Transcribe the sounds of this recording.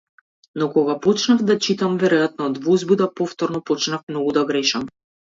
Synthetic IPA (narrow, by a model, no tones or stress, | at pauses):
nɔkɔɡapɔt͡ʃnavd̪at͡ʃit̪amvɛɾɔjat̪nɔd̪vɔzbud̪apɔft̪ɔɾnɔpɔt͡ʃnafmnɔɡud̪aɡɾɛʃam